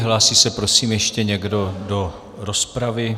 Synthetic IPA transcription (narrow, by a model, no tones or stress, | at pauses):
ɦlaːsiːsɛpɾo̞siːmjɛʃcɛɲɛɡdo̞do̞ | ɾospɾavɪ